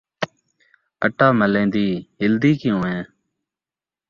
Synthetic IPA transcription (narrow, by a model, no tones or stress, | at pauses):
əʈaːməlẽːd̪iːɦɪld̪iːkɪjõːẽː